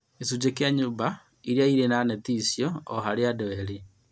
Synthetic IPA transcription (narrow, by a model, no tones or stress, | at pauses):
esud͡ʒekjaɲuːba | iɾiaiɾenanɛtisjɔːɦaɾeadɛweɾe